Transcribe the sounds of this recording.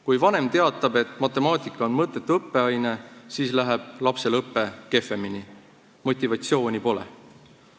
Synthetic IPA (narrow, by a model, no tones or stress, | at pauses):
kujvɑne̞mt̪e̞ɑt̪ːˑɑb̥e̞t̪ːˑmɑt̪ːˑe̞mɑːt̪ʲˑikːˑɑo̞nmɤt̪ːˑe̞t̪ːˑuɤpːe̞ɑjne̞siːslæɦɛb̥lɑpse̞lɤpːe̞ke̞fˑe̞mini | mo̞t̪ʲːˑivɑt̪sio̞ːnʲipo̞le̞̰